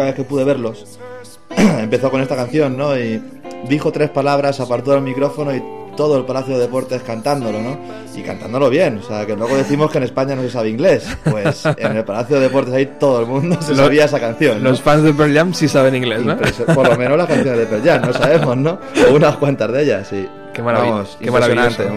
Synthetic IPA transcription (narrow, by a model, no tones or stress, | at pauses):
aβe̞θke̞puðe̞βe̞ɾlo̞s | e̞mpe̞θo̞ko̞ne̞st̪akanθjo̞nːo̞i | d̪ixo̞t̪ɾe̞spalaβ̞ɾasapaɾt̪̬oelmikɾo̞fo̞no̞it̪o̞ð̞oe̞lpalaθjoðe̞e̞po̞ɾt̪e̞skant̪and̪o̞lo̞no̞ | ḭka̰nt̪a̰nd̪o̞lo̞β̞je̞noseake̞lweɣ̞o̞ðe̞θimo̞skene̞spaɲano̞se̞saβeiŋɡle̞spwesene̞lpalaθjoðee̞po̞ɾt̪esait̪o̞ð̞oelmũnd̪osesaβiae̞sakan̟θjo̞nlosfanzðepeɾʎamsisaβenĩŋɡlesnopɾesopoɾlo̞menolaskanθjonezðepeɾʎamnosaβe̞mmo̞zno̞unakwant̪azðe̞ʎasi | kemaaamosemaɾaβnat̪e